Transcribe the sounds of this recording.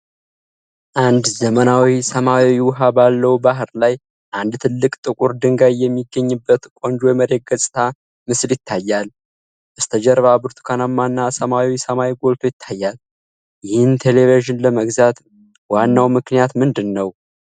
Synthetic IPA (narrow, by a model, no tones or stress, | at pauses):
ʔand̪zəmənawisəmaiwʊɦabalːəwbaɦɾlaj | ʔand̪t̪ʰɨlːɨkʼt̪ʼɨkʼuɾd̪ɨŋɡajjːɛmːiɡəɲːɨbːət̪kʼo̞nd͡ʒojməɾe̞t̪̚ɡəsʼt̪ʰa | mɨsljɪt̪ʰːajːal | bəst̪ʰəd͡ʒɛɾβabɨɾt̪ʰu̥kʰanamːanːasəmawisəmawiɡo̞lt̪ʰo̞jɪt̪ʰːajːal | jɪhɨnt̪ʰe̞leveʒɪnləməɡzat̪ | wanːawmɨknijat̪mɨnd̪ɨnːəw